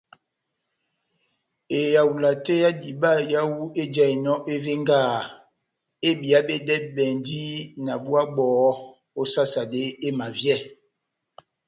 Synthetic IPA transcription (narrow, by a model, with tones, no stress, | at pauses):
e˨ja˨wu˨la˨te˦ja˦di˨ba˦˨ja˦wu˦e˦d͡ʒa˦˨i˨nɔ˦ʔe˦ve˦ŋɡa˦˨ | e˦bi˨a˦be˦dɛ˦bɛ˨ndi˦na˨bu˦a˦ɡ͡bɔː˨˦ | o˦sa˦sa˨de˦e˦ma˨vjɛ˦˨